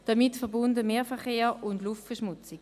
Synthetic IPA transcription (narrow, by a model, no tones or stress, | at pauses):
d̥ɑmitfɛɐbʊndəmeːɐfɛɐχeːʁʊndluftfɛɐʃmʊt͡sɪɡ